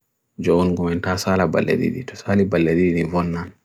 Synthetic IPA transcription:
d͡ʒɔunɡumɛntaːsaːlaba̰lːḛɗḭɗḭtɔ̥saːlibalːediɗinivɔnːan

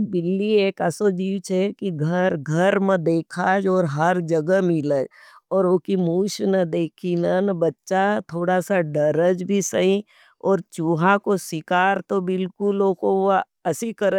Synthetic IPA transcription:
bɪlːieːkəsod͡ʒiːwt͡ʃʰɛkiɡʱəɾɡʱəɾmə̃d̪eːkʰaːd͡ʒɔːɾɦəɾd͡ʒəɡəmɪləd͡ʒɔːɾokimuːʃnəd̪eːkʰinənbɐtːʃat̪ʰoːɽasaɖəɾəd͡ʒbʱisəɦĩ | ɔːɾt͡ʃuːɦãkosɪkaːɾt̪obɪlkʊloːko | ɐsikəɾ

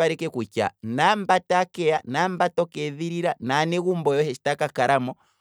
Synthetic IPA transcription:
aɾɛkɛkut͡ʃa̰nam̩batakɛanam̩batɔkɛðiɾiɾananɛɣumbɔjɔhɛʃi̥takakaɾamɔ

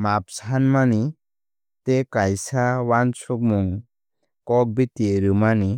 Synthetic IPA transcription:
map̚sanmani | tekajsawant͡ʃʰuk̚muŋ | kɔk̚bitieɾɯmani

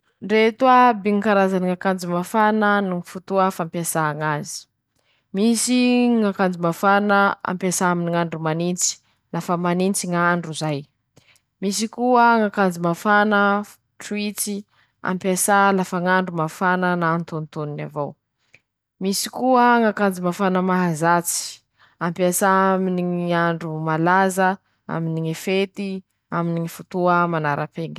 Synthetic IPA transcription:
ɖ͡ʐet̪uabiŋikaɾazaniŋakand͡zimafanənuŋifut̪uafampjasaːŋazi̥ | misiŋakand͡zimafanəa̰mpasaaminiŋaɳɖ͡ʐumanint͡si̥ | lafəmanint͡siŋaɳɖ͡ʐuzaj | misikuəŋakand͡zimafanə | ʈ͡ʂwit͡si | a̰mpasalafəŋaɳɖ͡ʐumafanənaːnt̪ont̪onina̰vow | misi̥kuəŋakand͡zimafanəmaɦazat͡si̥ | ampiasaaminiiaɳɖ͡ʐumalazə | a̰miniŋefet̪i | aminiŋifut̪uəmanaɾapeŋɡi̥

